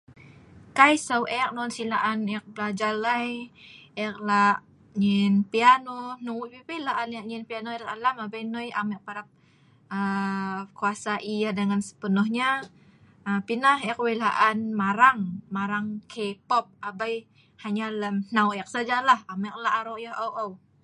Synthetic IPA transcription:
kajsawʔɛk̚nɔnsilaʔanɛk̚blad͡ʒalajɛk̚laʔ | ɲɛnpianonowpipelaʔanaʔ̚ɲɛnpianoɾt̪alamabajnɔjamɛʔ̚paɾap̚ | əkuasaʔiahdəŋansə̥pənɔhɲa | əpinaɦɛk̚welaʔanmaɾaŋmaɾaŋkʰepɔp̚abaj | haɲaləmnawɛk̚sad͡ʒalahamɛk̚laaɾoʔjahawʔaw

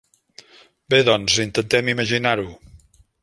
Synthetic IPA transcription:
beðɔnzint̪ənt̪ɛmiməʒinaɾu

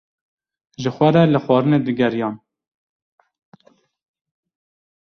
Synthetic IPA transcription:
ʒəxʷɛɾɛləxwɑːɾɨned̪ɨɡɛɾjɑːn

